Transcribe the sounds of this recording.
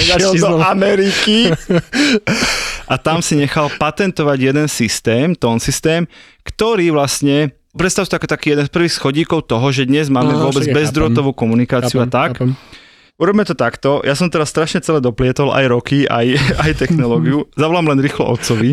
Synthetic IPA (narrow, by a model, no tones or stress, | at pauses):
d̪ɔamɛɾiki | ʔat̪amsiɲɛxalpat̪ɛnt̪ɔʋaɟjɛd̪ɛnsist̪ɛːmt̪ɔːnsist̪ɛːm | kt̪ɔɾiːʋlastɲɛ | pɾɛt̪st̪aʊst̪ːakɔt̪akiːjɛd̪ɛnspr̩ʋiːxsxɔɟiːkɔʊt̪ɔɦɔʒɛd̪ɲɛzmaːmɛʋʊɔbɛd͡zbɛzd̪ɾɔt̪ɔʋuːkɔmunikaːt͡siɪuat̪ak | ʔuɾɔbimɛt̪ɔt̪akt̪ɔjasɔmt̪ɛɾasːt̪ɾaʃɲɛt͡sɛlɛːd̪ɔplɪɛt̪ɔla̰jɾɔkia̰jajt̪ɛxnɔlɔːɡiuzaʋɔlaːmlɛnɾiːxlɔ̰ʔɔ̰t̪t͡sɔʋi